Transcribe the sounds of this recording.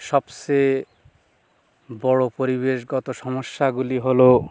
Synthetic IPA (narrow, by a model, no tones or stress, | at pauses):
ʃɔbse | bɔɽopoɾiβeʃɡɔt̪oʃɔmoʃːaɡuliɦolo